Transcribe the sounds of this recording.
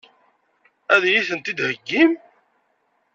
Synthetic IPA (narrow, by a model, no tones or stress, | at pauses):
æðjiθənt̪id̪həɡːim